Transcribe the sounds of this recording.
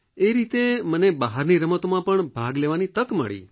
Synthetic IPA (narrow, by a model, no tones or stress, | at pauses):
eɾit̪emənebəɦaɾniɾəmət̪omãpəɳbʱaɡleʋanit̪əkmə̰ɭḭ